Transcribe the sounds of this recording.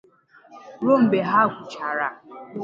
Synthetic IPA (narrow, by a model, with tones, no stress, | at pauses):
ɾʊ˦m̩˨ɡ͡be˨ɦa˦ɡʷʊ˨t͡ʃa˨ɾa˨